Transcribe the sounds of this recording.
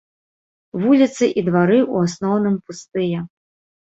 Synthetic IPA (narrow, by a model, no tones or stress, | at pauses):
vulʲit̪sɨʔid̪vaɾɨʔuasnɔwnɨmpust̪ɨjɛ